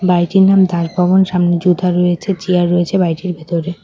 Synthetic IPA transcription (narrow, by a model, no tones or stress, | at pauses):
bajʈiɾnamd̪aɾbʱɔbonʃamned͡ʑud̪ʱaɾɔet͡ɕʰet͡ɕiaɾːoet͡ɕʰebajʈiɾbʱet̪oɾe